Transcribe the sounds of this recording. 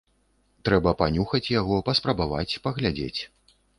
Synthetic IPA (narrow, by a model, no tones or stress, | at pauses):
t̪ɾɛbɐpanʲuxɐt͡sʲjaɣɔpɐspɾɐbava̰t͡sʲpɐɣlʲad͡zʲḛt͡sʲ